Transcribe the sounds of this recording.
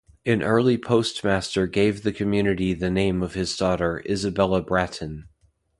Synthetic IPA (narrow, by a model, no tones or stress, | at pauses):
ɨ̃nʔɜ˞lˠipʰoʊst̚mæstə˞ɡeɪvðɨkʰɨmjʉnɨɾiðɨnẽɪ̃mʌv̥ɨzdɔɾə˞ʔɪzɨbɛlˠəbɹæɾn̩